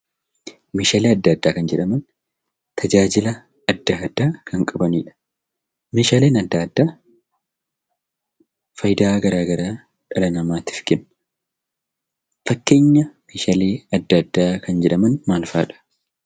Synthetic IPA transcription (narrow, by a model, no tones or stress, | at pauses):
meːʃaːleːɐd̪ːɐɐd̪ːaːkɐnd͡ʒɛᶑɐmɐn | t̪ʰɐd͡ʒaːd͡ʒɪlɐ | ɐd̪ːaːd̪ːaːkʰɐŋkʼɐbɐniːᶑɐ̥ | meːʃaːle̞ːnɐd̪ːaːd̪ːaː | fɐjd̪aːɡɐɾaːɡɐɾaː | ᶑɐlɐnɐmaːt̪ɪ̥fɡɪn | fɐkːe̞ːɲːɐmeːʃaːleːɐd̪ːɐd̪ːaːkɐnd͡ʒɛᶑɐmɐnmaːlfaːᶑɐ̥